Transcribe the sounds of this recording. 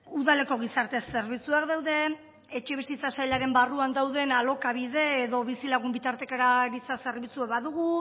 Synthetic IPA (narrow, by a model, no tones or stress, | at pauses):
uðale̞ko̞ɣ̞isaɾt̪e̞sːe̞ɾβit͡suakd̪awðe̞ː | t͡ʃeβ̞isit͡sasajʎaɾe̞mbaruand̪awðe̞nalo̞kaβ̞iðe̞ːðo̞βisilaɣumbit̪aɾt̪e̞kaɾaɾit͡sase̞ɾβit͡sueβaðuɣu